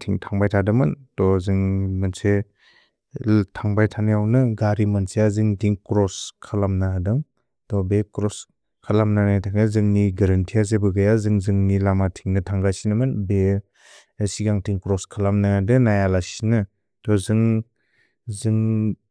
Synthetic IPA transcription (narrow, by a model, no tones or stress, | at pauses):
tʰiŋtʰaŋbajtʰadɯmɯntɔzɯŋmɯnse | tʰaŋbajtʰanɯjawnɯɡaɾimɯnsejazɯŋtʰiŋkɾɔskʰalamnaadɯŋ | tɔbekɾɔs | kʰalamnanajtʰaŋazɯŋniɡaɾɐntʰias̬ebɯɡajazɯŋzɯŋnilamatʰiŋnɯtʰaŋɡajsinɯmɯnbeː | siɡaŋtʰiŋkɾɔskʰalamnaadɯnajalasinɯ | tɔzɯŋ | zɯŋ